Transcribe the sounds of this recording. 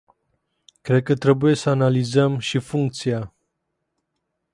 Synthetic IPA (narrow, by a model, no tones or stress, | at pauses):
kɾe̞d̪̚kət̪ɾe̞buje̞səanalizəmʃifuŋk̚t̪sia